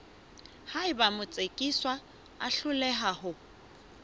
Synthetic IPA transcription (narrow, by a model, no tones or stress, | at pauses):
haɪbamʊt͡sʼekʼiswa | aɬʊlɛɦahʊ